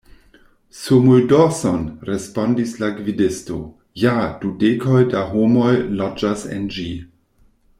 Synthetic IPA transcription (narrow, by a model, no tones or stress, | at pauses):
sumuldosonɾespondislaɡvidesto̞̰ | jad̥udekʰojdaɦomo̞jlad͡ʒasḛnd͡ʒi